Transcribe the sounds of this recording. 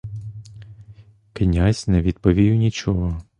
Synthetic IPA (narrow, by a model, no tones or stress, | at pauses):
kɪnʲazʲnɛʋʲid̪̥pɔʋʲijʊnʲit͡ʃɔɦɔ